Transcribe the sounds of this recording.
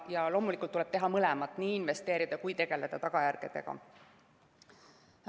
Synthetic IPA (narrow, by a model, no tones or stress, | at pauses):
jɑlo̞ːmulikːˑult̪ːuleb̥̚t̪e̞ɦɑmɤlemɑt̪ːˑniːinve̞st̪e̞ːɾid̪ɑkujt̪e̞ɡ̥e̞le̞d̪̥ɑt̪ɑɡ̥ɑjærɡ̥ed̪̥e̞̰ɡ̥ɑ̰